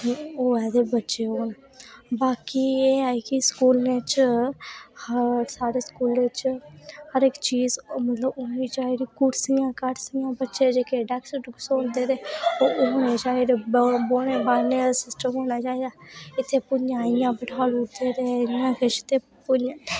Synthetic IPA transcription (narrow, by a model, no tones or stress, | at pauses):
oːɛːd̪eːbətːʃeːɦoːn | baːkieːaːikɪskuːlneːt͡ʃ | həɾsaːɾeːskuːleːt͡ʃhəɾɪkt͡ʃiːzmət̪ləboːniːd͡ʒaːid̪iːkʊʈsijãːkəʈsijãːbətːʃeːd͡ʒeːkeːɖɛːksəʈʊksoːnd̪eːɾeːoːʊːneːd͡ʒaːed̪boːɽeːbaːnesɪsʈəmoːnaːd͡ʒaːed̪aːɪt̪ʰːeːpʊnjãːɪjãːbəʈʰaːlʊɽd̪eːd̪eːjãːkɪʃt̪eː | pʊnjãː